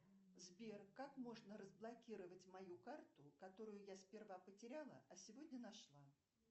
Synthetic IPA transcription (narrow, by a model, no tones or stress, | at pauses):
zbʲerkakmo̞ʐnəɾəzblˠɐkʲiɾəvətʲmɐjukart̪ʊkɐt̪o̞ɾʊjʊjaspʲɪrvapətʲɪɾʲalˠə̰ɐsʲɪvo̞dʲnʲənɐʂlˠa